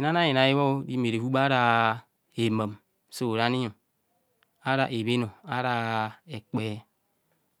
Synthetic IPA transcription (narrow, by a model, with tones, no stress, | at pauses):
i˨na˦na˦i˨na˨ji˦wo˦di˦me˨ɾe˨vu˦ba˦ɾa˦ | e˨ma˨m | so˦˨ɾa˦ni˦jo˨ | a˦ɾa˨ʔe˨βe˦no˨a˦ɾa˦e˨k͡pe˦